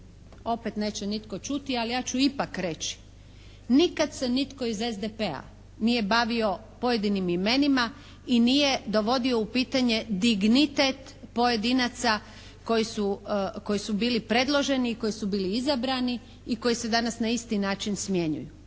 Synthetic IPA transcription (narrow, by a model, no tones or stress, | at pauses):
o̞pe̞t̪ne̞ːt͡ɕenit̪ko̞t͡ʃut̪ialijaːt͡ɕuipakɾe̞t͡ɕi̥ | nikad̪se̞nit̪ko̞ize̞zd̪epea̰ | nije̞baʋio̞ | po̞je̞d̪inimime̞nima | inije̞d̪o̞ʋo̞d̪io̞upiːt̪aɲe̞d̪iɡnit̪et̪ | po̞je̞d̪inat̪sa | ko̞jisuko̞jisubiːlipɾe̞d̪lˠo̞ʒe̞niːko̞jisubiːliizabɾani | iko̞jise̞d̪anasnaist̪inaːt͡ʃinsmje̞ɲṵju